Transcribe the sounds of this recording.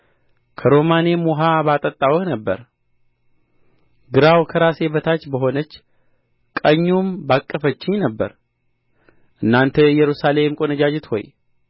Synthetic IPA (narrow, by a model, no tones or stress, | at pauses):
kʰəɾo̞mane̞moɦabat̪ʼət̪ʼːawənəbːəɾ | ɡɨɾawkʰəɾase̞bət̪ʰat͡ʃːbəɦo̞nət͡ʃː | kʼəɲːumbakʼːəfət͡ʃːɪɲnəbːə̰ɾ | ʔɨnːant̪ʰəjɛɾusale̞mkʼonəd͡ʒad͡ʒɪt̪ho̞̰j